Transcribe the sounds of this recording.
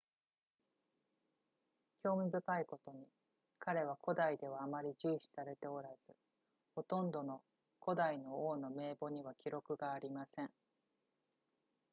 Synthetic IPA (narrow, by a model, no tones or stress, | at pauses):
kʲo̞ːmʲibɯ̟kaiko̞t̪o̞ɲ̟i | kaɾe̞β̞ako̞d̪aid̪e̞β̞aːmaɾʲiʑɨːɕi̥saɾe̞t̪e̞o̞ɾaz̥ɨ | ho̞t̪õ̞nd̪o̞no̞ | ko̞d̪aino̞oːno̞me̞ːbo̞ɲ̟iβ̞akʲiɾo̞kɯ̟ɡaːɾʲimasẽ̞ɴ